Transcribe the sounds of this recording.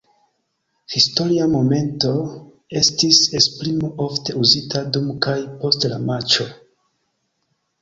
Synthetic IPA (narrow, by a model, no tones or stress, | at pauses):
histo̞ɾiamo̞me̞nto̞ | e̞stisespɾimo̞o̞fte̞uzitʰadumkajpo̞stlamat͡ʃo̞